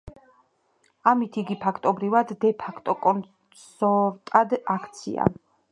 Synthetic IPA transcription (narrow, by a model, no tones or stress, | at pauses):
amit̪ʰiiɡipʰakʰt̪ʼɔbɾivad̪ːɛpʰakʰt̪ʼɔkʼɔn | sɔɾt̪ʼad̪akʰt̪sʰḭa̰